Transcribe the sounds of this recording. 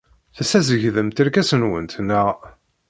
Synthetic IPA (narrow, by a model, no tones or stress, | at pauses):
θæsæzəʝðəmt̪iɾkæsənwə̰nt̪næ